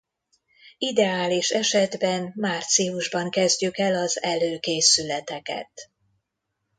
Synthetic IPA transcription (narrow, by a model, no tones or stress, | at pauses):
id̪ɛaːliʃɛʃɛd̪bɛnmaːrt̪siuʒbɒŋkɛzɟykɛlɒzɛløːkeːsylɛt̪ɛkɛ̰t̪